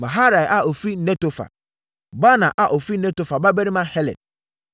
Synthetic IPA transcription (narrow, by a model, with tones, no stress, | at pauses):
mã˨ɦa˦ɾa˨jʔa˨o˨fɾi˦nɛ̃˦to˨fa̰˨ | ba˦nã˨ʔa˨ʔo˨fɾi˦nɛ̃˦to˦fa˨ba˦bɛ˦ɾi˦mã˦hɛ˦lɛ̰˨d̚